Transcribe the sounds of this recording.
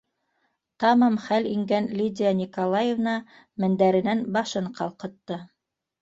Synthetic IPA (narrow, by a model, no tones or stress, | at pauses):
t̪ɑmɑmχæliŋɡænlʲid̪ʲɪanʲikolˠajevnɑ | mɘ̆nd̪æɾɘ̆nænbɑʃɤɴqɑlˠqɤ̆t̪ːɤ